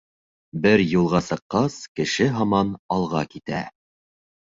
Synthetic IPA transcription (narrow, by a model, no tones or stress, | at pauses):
bɘɾjulˠʁɑsɤ̆qːɑskɘ̆ʃɘɦɑmɑnɑlˠʁɑkit̪æ̰